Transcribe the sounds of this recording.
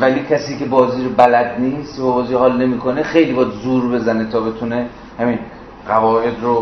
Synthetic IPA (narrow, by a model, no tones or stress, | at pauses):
væliːcʰæsiːcʰe̞bɒːziːɾobælæd̪niːst̪væbɒːziːhɒːlne̞miːkʰonexe̞jliːbɒːd̪zuːɾbe̞zænet̪ʰɒːbe̞t̪ʰune | hæmin | ɢævɒːʔe̞d̪ro